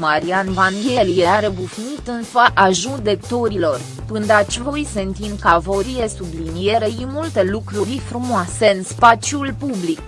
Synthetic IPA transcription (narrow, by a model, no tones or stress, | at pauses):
maɾianvanɡe̞ljeaɾe̞bufnit̪ɨnsəʔaʒud̪e̞kt̪o̞ɾilo̞r | pɨnd̪at̪t͡ʃvo̞jsent̪imkavo̞ɾije̞sublinije̞ɾejimult̪e̞lukɾuɾʲfɾumoase̞ɨnspat͡ʃjulpublik